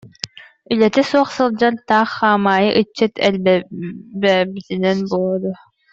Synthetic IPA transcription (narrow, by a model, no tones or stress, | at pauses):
ylɛt̪ɛsuɔχsɯlˠd͡ʑaɾt̪aːχːaːmaːjɯʔɯt͡ɕːɯt̪ʰɛlb | bɛbit̪inɛnbulˠud̪u